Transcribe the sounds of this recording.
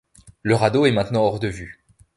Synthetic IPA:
ləʁad̪oɛmɛ̃t̪nɑ̃ɔʁd̪əvy

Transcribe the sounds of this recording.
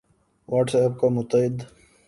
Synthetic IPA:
waːʈsɛːp̚kamʊt̪əɪd̪

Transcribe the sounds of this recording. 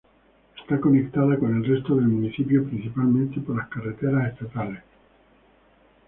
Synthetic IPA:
est̪ako̞nek̚t̪aðakone̞lrest̪oðelmũniθipjopɾin̟θipalmẽnt̪ipoɾlaskaret̪eɾasest̪at̪ales

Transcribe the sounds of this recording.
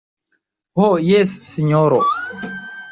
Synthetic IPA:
hojesːiɲoɾo

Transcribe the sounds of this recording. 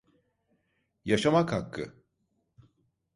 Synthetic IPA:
jaʃamakhakːɯ̰

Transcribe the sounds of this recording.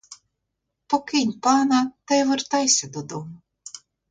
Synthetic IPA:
pɔkʲinʲpaːnat̪ajvɨɾt̪ajsʲad̪ɔd̪um

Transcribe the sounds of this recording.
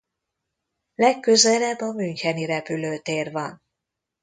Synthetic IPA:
lɛkːø̞zɛlɛbːɒmyɲcɛniɾɛpyløːt̪eːrvɒn

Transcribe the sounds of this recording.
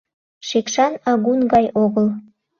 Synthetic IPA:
ʃekʃɑnɑɣunɡɑjʔoɣəl

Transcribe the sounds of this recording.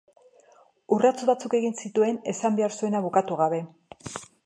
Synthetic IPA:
urat͡suβat͡suke̞ɣinsit̪ue̞ne̞sambe̞aɾsue̞naβukat̪uɣ̞aβe̞

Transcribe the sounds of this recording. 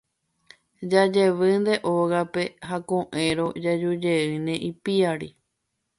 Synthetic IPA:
d͡ʒad͡ʒe̞ʋɨnd̪e̞ʔoɣape̞ɦakõʔẽɾo̞d͡ʒad͡ʒud͡ʒeɨnẽ̞ʔipiaɾi

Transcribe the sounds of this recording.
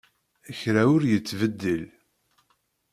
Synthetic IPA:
əçɾæʊɾjət͡sːvəd̪ːəl

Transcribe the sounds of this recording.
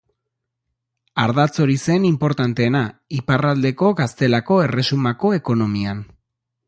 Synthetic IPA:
aɾðat͡so̞ɾise̞nimpo̞ɾt̪ant̪e̞ːnaiparald̪e̞ko̞ɣast̪e̞lako̞e̞re̞sumako̞e̞ko̞no̞mian

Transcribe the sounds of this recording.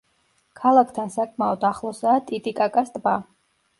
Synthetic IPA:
kʰalˠakʰt̪ʰansakʰmaɔd̪aχlˠɔsaːt̪ʼit̪ʼikʼakʼast̪ʼba

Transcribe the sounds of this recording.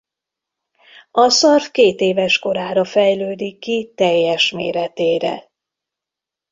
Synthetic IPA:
ɒsɒrfkeːt̪eːvɛʃko̞ɾaːɾɒfɛjløːd̪ikːit̪ɛjːɛʃmḛːɾɛt̪eːɾɛ̰

